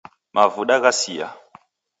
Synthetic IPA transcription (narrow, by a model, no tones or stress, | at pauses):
mʔavuɗaɣasija̰